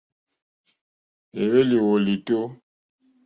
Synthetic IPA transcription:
e˨we˦li˨wo˨li˨to˦

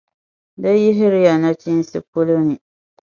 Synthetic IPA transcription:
da˦jɪ˦ɦɪ˦ɾɪ˦ja˨na˦t͡ʃi˦n˦sɨ˦po˦lo˦nɨ˨

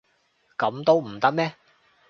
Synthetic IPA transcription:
kɐ˨˥mt̪o˥wm̩˨˩t̪ɐ˥k̚mɛː˥

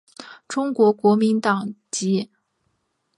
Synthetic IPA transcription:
ʈ͡ʂʊ˥ŋkwɔ˧˥kwɔ˧˥mi˧˥nt̪ɑ˨˩ŋt͡ɕi˧˥

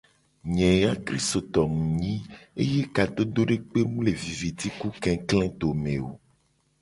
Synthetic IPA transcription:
ɲɛ̃˨a˦kɾḭ˦st̪o˨t̪ɔ˨ŋũ˨ɲĩ˦ḛ˦je˦ka˨t̪o˦d̪o˦ɖe˦k͡pe˦mũ˦le˨vi˨vi˨t̪i˦ku˦kɛ̃˨klɛ̃˦t̪o˨mẽ˨o̰˨

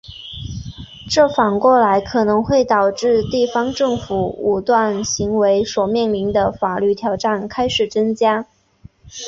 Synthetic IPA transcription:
ʈ͡ʂɤ˥˩fɑ˨˩ŋkwɔ˥˩la˧˥ɪkʰɤ˨˩nɤ˧˥ŋxwe˥˩ɪt̪ɑ˨˩ʊʈ͡ʂɻ̩˥˧t̪i˥˩fɑ˥ŋʈ͡ʂɤ˥˩ŋfu˨˩u˨˩t̪wa˥˩nɕi˧˥ŋwe˧˥ɪswɔ˨˩mjɛ˥˩nli˧˥ŋd̪ə˧fa˨˩ly˥˩t̪ʰjɑ˧˥ʊʈ͡ʂa˥˩nkʰa˥ɪʂɻ̩˨˩t͡sɤ˥nt͡ɕja˥

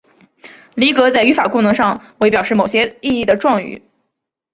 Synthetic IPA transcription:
li˧˥kɤ˧˥t͡sa˥˩ɪy˧˥fa˨˩kʊ˥˩ŋnɤ˧˥ŋʂɑ˥˧ŋwe˥ɪpjɑ˨˩ʊʂɻ̩˥˩mo˨˩ʊɕjɛ˥i˥˧i˥˩d̪ə˩ʈ͡ʂwɑ˥˧ŋy̰˨˧˩

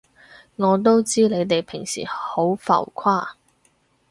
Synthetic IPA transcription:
ŋɔː˨˧t̪o˥wt͡siː˥le˨˧jt̪e˨jpʰɪ˨˩ŋsḭː˨˩ho˨˥wfɐ̰˨˩wkʷʰwaː˥˩

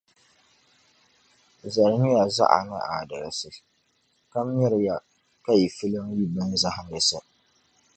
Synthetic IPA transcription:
zɐ˨ɾnɪ˦ja˨za̰˦ʔa̰˨na̰˦ʔa̰˨da˨ɾsɨ˦ | ka˦mjɪ˦ɾɪ˦ja˨ | ka˦˨jfɪ˦lɪ˦mji˦bɐ˦nza˦ha˨nɪ˨sa˦

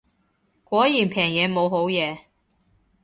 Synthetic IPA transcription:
kʷɔː˨˥jiː˨˩npʰɛː˨˩ŋjɛː˨˧mo˨˧wɦo˨˥wjɛː˨˧

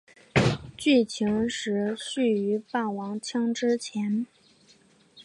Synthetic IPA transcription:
t͡ɕy˥˩t͡ɕʰi˧˥ŋʂɻ̩˧˥ɕy˥˩y˧˥pa˥˩wɑ˧˥ŋt͡ɕʰjɑ˥ŋʈ͡ʂɻ̩˥t͡ɕʰjɛ˧˥n

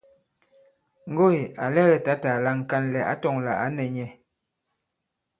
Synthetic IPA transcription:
ŋ̩˦ɡo˦e˨a˨lɛ˦ɣɛ˨ta˦ta˨la˦ŋ̩˨ka˦nlɛ˨a̰˦tɔ˦˨ŋla̰˨a˦nɛ˨ɲɛ˨

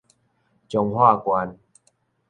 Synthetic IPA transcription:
t͡ɕjɔ˧ŋhwa˥˧˨kwa˧˦n

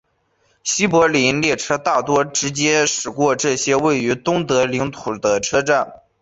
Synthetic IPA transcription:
ɕi˥pwɔ˧˥li˧˥nljɛ˥˩ʈ͡ʂʰɤ˥t̪a˥˩t̪wɔ˥ʈ͡ʂɻ̩˧˥t͡ɕjɛ˥ʂɻ̩˨˩kwɔ˥˧ʈ͡ʂɤ˥˩ɕjɛ˥we˥˩ɪy˧˥t̪ʊ˥ŋt̪ɤ˧˥li˧˥ŋt̪ʰu˨˩d̪ə˦ʈ͡ʂʰɤ˥ʈ͡ʂa˥˩n

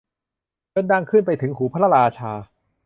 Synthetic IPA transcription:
kʰɤ˥˨nda˥˩ŋkʰɯ˥˩npa˧jt̪ʰɯ˩˦ŋhuː˩˦pʰa˦˥la˧ɾaː˧t͡ɕʰaː˧

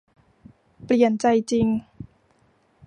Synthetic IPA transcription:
pli˨˩ənt͡ɕa˧jt͡ɕi˧ŋ

